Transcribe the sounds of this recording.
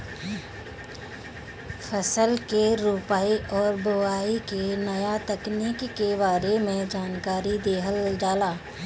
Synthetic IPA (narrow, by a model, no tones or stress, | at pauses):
fʰəsəlkeɾuːpaːiʔɔːɾboaːikenɐjat̪əknikːebaːɾemẽd͡ʒaːnkaːɾid̪eːɦəld͡ʒaːlaː